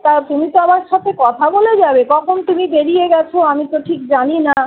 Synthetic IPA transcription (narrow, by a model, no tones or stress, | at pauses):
t̪at̪umit̪oamaɾʃat̪ʰekɔt̪ʰaboled͡ʑabekɔkʰont̪umibeɾijeɡɛt͡ɕʰoamit̪oʈʰikd͡ʑanina